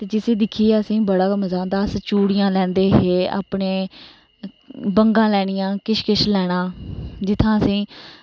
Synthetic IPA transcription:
t̪eːd͡ʒɪsĩːd̪ɪkʰiːɛːəsĩːbəɽaːkəməzaːnd̪aːst͡ʃuːɽɪjãːlɛ̃ːnd̪eːɦeːa̰ːpɳeː | bəŋɡãːlɛːɽ̃ijãːkɪʃkɪʃlɛːɽ̃ãːd͡ʒɪt̪ʰãːəsĩː

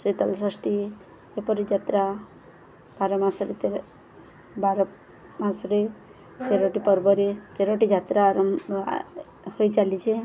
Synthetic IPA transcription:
sit̪əlsəsʈi | epɔɾid͡ʒat̪ɾa | b̥ʱaɾəmasɾit̪eɾ | baɾ | mãsɾe | t̪eɾoʈipɔɾbəɾit̪eɾoʈid͡ʒʱat̪ɾaːɾm | hojt͡ʃalit͡ʃʰe

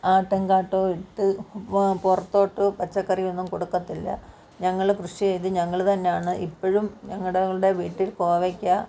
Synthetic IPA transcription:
aːʈːeŋɡaːʈːo̞ːiʈːɨ | purɐt̪ːo̞ːʈːɨpɐt͡ɕːɐkːɐrionːumkoɽukːɐt̪ːilːɐ̰ | ɲɐŋːɐɭkrɨʂijejt̪ːɨɲɐŋːɐɭt̪ɐnːe̞jaːɳɨʔipːoɻumɲɐŋːɐɽeɭɽe̞ʋiːʈːilko̞ːʋekʲːɐ

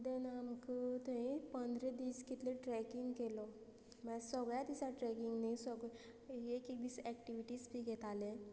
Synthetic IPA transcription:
d̪enamkət̪əĩpə̃nd̪ʱɾed̪iːskit̪leʈɾɛkiŋɡkelɔ | masəɡɭjat̪isaʈɾɛkiŋɡnisəɡ | ekek̚d̪it͡sɛkʈiʋiʈiːsbʱiɡʱɛt̪alẽ

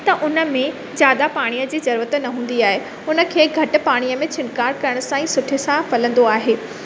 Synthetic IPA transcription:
t̪ɐʔʊnə̆mẽ | d͡ʑjaːd̪apaːɽ̃ijəd͡ʑiːzɐɾuːət̪nɐɦũːn̆d̪iaːɦe | ʊnə̆kʰeːɡʱɐʈʊ̆paːɽ̃ijəmẽt͡ɕʰɪnkaːɾkɐɾəɽ̃ʊsãĩsʊʈʰisãfɐlə̃nd̪oaːɦeː

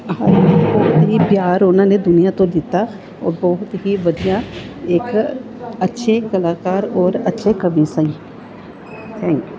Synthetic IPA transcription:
ɦəɾbɔːɦʊt̪ɦiːbjaːɾonãːned̪ʊnɪjãːt̪õd̪ɪt̪ːa | ɔ̰ːɾbɔːɦʊt̪ɦiːʋəd̪ijãɪk | ətːʃʰekəlaːkaːɾɔːɾətːʃʰekəbiːsaĩ | t̪ʰɛ̃ːŋkju

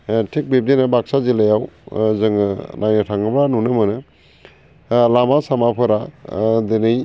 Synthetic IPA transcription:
tʰek̚bep̚denabaksazelajawzɯŋɯnʔajnɯtʰaŋɯbɾanunɯmɯnɯ | lamasamapʰɯɾad̪enɯj

